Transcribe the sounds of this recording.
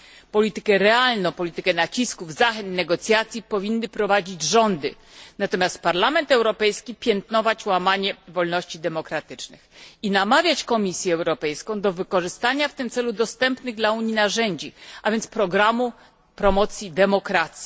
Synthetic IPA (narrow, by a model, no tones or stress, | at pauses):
pɔlʲit̪ɘkɛɾɛalnɔ̃w̃pɔlʲit̪ɘkɛnat͡ɕiskuvzaxɛnt̪nɛɡɔt̪sʲjat̪sʲjipɔvʲinːɘpɾɔvad͡ʑid͡ʑʐɔnd̪ɘ | nat̪ɔmʲjast̪̚paɾlamɛnt̪ɛwɾɔpɛjskʲipʲjɛnt̪nɔvat͡ɕwamaɲɛvɔlnɔɕt͡ɕid̪ɛmɔkɾat̪ɘt͡ʂnɘ̰xinamavʲjat͡ɕkɔmʲisʲjɛɛwɾɔpɛjskɔ̃w̃d̪ɔvɘkɔʐɘst̪aɲaft̪ɘmt̪sɛlud̪ɔst̪ɛmpnɘɣd̪lauɲinaʐɛɲd͡ʑiavʲjɛnt̪spɾɔɡɾamu | pɾɔmɔt̪sʲjid̪ɛmɔkɾat̪sʲji